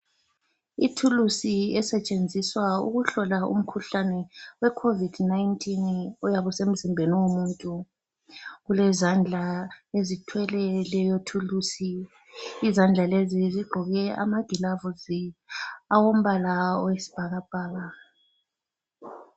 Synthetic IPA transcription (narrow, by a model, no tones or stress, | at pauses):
itʰulusiɛsɛt͡ʃʼend͡zʱiswauɣuɬɔlaṵm̩kʰuɬanɛwɛkʰovidnajntʼinɔjaβɔsem̩zimbʱeniwomuntʼu | ɣulɛzand͡ɮʱaezitʰwɛlɛlɛjotʰulusi | izand͡ɮʱaleziziɡ͡ǃʱɔɣɛa̰maɡ̥ʱilavuzi | awom̩βalaɔwesi̥b̥ʱaɣab̥ʱaːɣa